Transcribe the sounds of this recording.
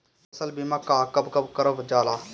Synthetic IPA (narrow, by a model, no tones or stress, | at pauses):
əsəlbimakaːkəbkəbkəɾəbd͡ʒaːlaː